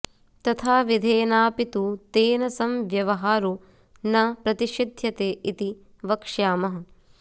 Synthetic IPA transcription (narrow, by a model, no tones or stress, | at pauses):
t̪ɐt̪ʰaːʋid̪ʱeːnaːpit̪ut̪eːnɐsɐmʋjɐʋɐɦaːɾu | nɐpɾɐt̪iʃid̪ʱjɐt̪eːʔit̪i | ʋɐkʂjaːmɐɦɐ̆